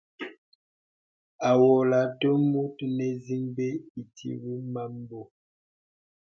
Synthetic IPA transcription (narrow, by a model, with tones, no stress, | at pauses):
a˨wɔ˨la˨do˦mu˦tnɛ˨zi˦ŋbe˦i˨tʰḭ˦wi˦ma˦m˦bo˦